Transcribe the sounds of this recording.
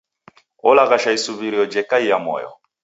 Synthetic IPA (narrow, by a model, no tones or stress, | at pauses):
ɔlaɣaʃaisuβiɾiɔd͡ʒɛkaijamɔ̰jɔ̰